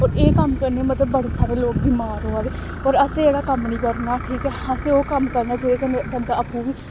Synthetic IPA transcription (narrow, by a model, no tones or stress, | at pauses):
ɔːɾeːkəmkəɾneːmət̪ləbːəɽeːsaːɾeːloːk̚biːmaːɾɦoːaːɡeː | əːɾəsẽeːɽaːkəmnĩːkəɾnaːʈʰiːkɛːhãːseːoːkəmkəɾnaːd͡ʒeɾeːkənbənd̪aːəpːũːʋiː